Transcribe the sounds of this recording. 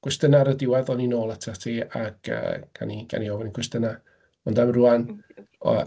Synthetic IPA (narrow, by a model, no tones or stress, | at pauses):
ɡ̥wɛstənaɾədɪwaðɔninoːlˠətʰatʰiːa̰ɡ̥ə̰ːɡ̥a̰niɡa̰niɔːvɔnikʰwɛstəna | ɔndamruanɔ̰